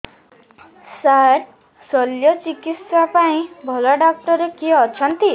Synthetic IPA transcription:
saɾ | sɔljɔt͡ʃikit̪sapaĩbʱɔlɔɖɔk̚ʈɔɾekiɔt͡ʃʰɔnt̪i

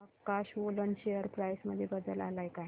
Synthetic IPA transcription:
əkaɕʋolənɕejəɾpɾajsməd̪ʱːjebəd̪əlalajkaɦj

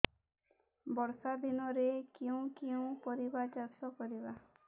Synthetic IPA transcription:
bɔɾsad̪ʱinɔɾekeũkew̃pɔɾibad͡ʒasɔkɔɾiba

